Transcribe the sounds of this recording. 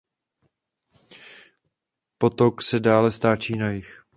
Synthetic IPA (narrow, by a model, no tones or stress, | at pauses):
po̞t̪o̞ksɛdaːlɛst̪aːt͡ʃiːnajɪx